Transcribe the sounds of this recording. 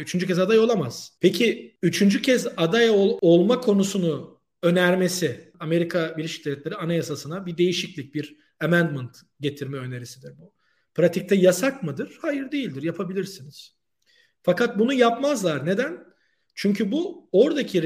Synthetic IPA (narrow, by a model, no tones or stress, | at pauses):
yt͡ʃʰynd͡ʒyc̬ɛzad̪ajo̞lˠamaz̥pʰecʰiyt͡ʃʰynd͡ʒycʰɛzad̪ajoo̞lˠmakʰo̞nusunu | ø̞næɾme̞sɪame̞ɾikʰabilʲeʃi̥cd̪evlʲɛt̪lʲeɾianajasasɯnabid̪e̞jiʃiclʲic̚biɾ | amænd̪mɯnt̪ | ɟe̞t̪ʰiɾmɛø̞ne̞ɾisid̪iɾbu | pɾat̪ʰic̚t̪ʰɛjasakmɯd̪ɯɾ̥haːjiɾd̪ejilʲd̪iɾjapʰabilʲiɾsiniz̥ | fakat̪̚bunujapmazlˠaɾne̞d̪æn | t͡ʃʰyɲcʰybuo̞ɾd̪acʰi